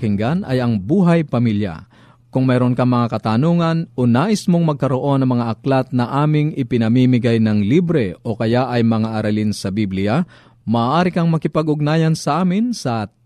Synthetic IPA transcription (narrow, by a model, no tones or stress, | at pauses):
kɪŋɡanʔɐ̰jɐŋbuːɦɐjpɐmilja̰ | kʊŋmɛːɾonkɐŋmɐŋakɐt̪anoːŋɐnonaːʔɪsmoŋmɐɡ̚kɐɾo̞ʔo̞nɐŋmɐŋaʔɐklat̪̚nɐʔaːmɪŋʔɪpɪnɐmimɪɡajnɐŋlibɾɛʔo̞kɐjaʔɐjmɐŋaʔɐɾɐlinsɐbiblɪja | mɐːʔaːɾɪkɐŋmɐkɪpɐɡʊɡ̚naːjɐnsɐʔaːmɪnsɐ